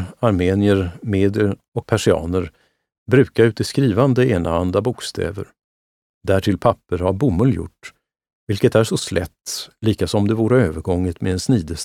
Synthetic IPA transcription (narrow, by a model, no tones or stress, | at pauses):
aɾmeːnɪəɾmeːd̪ɪjəɾ | ɔk̚pʰaʂɪɑ̰ːnəɾ | bɾʉ̟ːkaɾʉ̟ːt̪əskɾiːvand̪əeːnʔa̰and̪abʊkst̪ʰɛ̰ːvə̰ɾ | d̪æʈʰɪlpʰapːəɾhaɾbʊmːɵljʊ̰ʈː | vɪlkət̪æʂɔslɛ̰t̪ːliːkasɔmd̪ɛvuːɾəøːvəɾɡɔŋːət̪mɛd̪ɛnsniːd̪əs